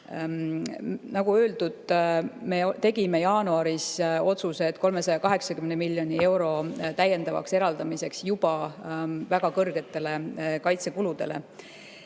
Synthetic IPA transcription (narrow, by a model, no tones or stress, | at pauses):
nɑɡuø̞ːld̪ud̪̥me̞t̪e̞ɡime̞jɑːnuɑɾiso̞t̪suse̞t̪ko̞lme̞sɑjɑkɑɦe̞ksɑkymnemilːjo̞nie̞wɾo̞t̪æjːe̞nd̪̥ɑvɑ̰kse̞ɾɑld̪ɑmise̞ksjub̥ɑ | væɡ̥ɑkɤrɡ̥e̞t̪ːˑe̞le̞kɑjt̪se̞kulud̪̥e̞̰le̞̰